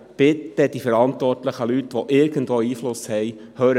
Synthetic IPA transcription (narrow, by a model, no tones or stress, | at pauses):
b̥ɪt̪ːəd̥ifəɾɑnt̪ʋɔrtləχəlytʋɔʔɪɾɡən̩dʋoːiːflʊshɛj | høːɾə